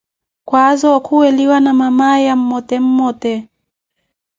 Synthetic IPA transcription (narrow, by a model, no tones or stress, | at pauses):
kwazɔkʰuɛliwanamamajam̩mɔtɛm̩mɔtɛ